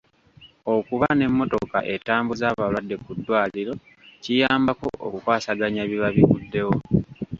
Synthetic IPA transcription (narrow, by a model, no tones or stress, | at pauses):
okuβane̞mːo̞to̞ka̰ʔe̞taːmbuzaːβalwadːe̞kudːwaːliɾo̞ | cijaːmbako̞̰ʔo̰kukwaːsaɡaɲaβiβaβiβudːe̞wo